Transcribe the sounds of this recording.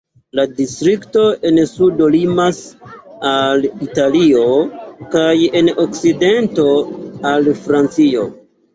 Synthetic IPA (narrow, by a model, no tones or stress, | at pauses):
ladistɾikto̞e̞nsudo̞limasalitalio̞kaje̞nokside̞nto̞alfɾant͡sio̞